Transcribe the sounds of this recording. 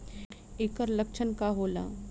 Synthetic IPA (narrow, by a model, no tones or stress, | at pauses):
eːkəɾləkt͡ʃʰənkaɦoːla̰ː